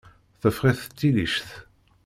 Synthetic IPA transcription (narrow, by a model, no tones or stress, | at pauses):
θəfʁiθət͡sːiliʃθ